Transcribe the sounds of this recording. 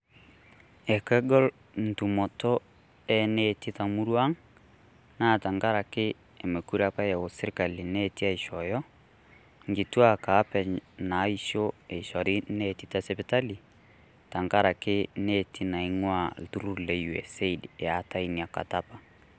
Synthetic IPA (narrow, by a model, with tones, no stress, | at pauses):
ɛ˨kɛ˦ɡɔ˦l | n̩˨tu˨mɔ˨tɔ˦ | ɛ˦ne˦˨ti˦ta˨mu˦ɾwa˦ŋ | na˦˨ta˨ŋɡa˦ɾa˨kɪ˦ | e˨me˨ku˦ɾa˦pa˦ja˨o˨se˦ɾka˨li˨ne˦ti˦a˨i˨ʃɔ˨jɔ˦ | ŋɡi˨twa˦ka˨˦pɛ˨na˨˦i˦ʃo˦e˨ʃɔ˨ɾi˦ne˦˨ti˦ta˦sɛ˦pe˦ta˦li˨ | ta˨ŋɡa˦ɾa˨ke˦ne˦tʰi˦na˨i˦ŋwa˦˨tu˦ɾu˦ɾle˨ju˨ḛ˨se˦i˨da˨˦ta˦i˨ni˨a˨ka̰˨ta˦pa˨